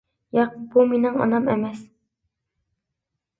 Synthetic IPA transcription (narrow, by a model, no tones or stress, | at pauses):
jɑq̚bumenɪŋɒ̰nɑmemɛs